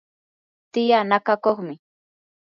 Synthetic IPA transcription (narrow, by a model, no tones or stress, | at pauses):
t̪ɪjanakakoχmɪ